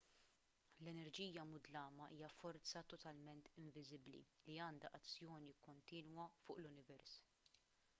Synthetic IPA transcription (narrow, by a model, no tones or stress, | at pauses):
lɛnɛɾd͡ʒiːjɐmʊd̪lɐːmɐʔiːjɐfɔɾt͡sɐt̪ɔt̪ɐlmɛnt̪ɪɱvɪzɪblḭliɐːnd̪ɐʔɐt͡sːjɔːnikɔnt̪iːnwɐfʊːʔlʊnɪvɛɾs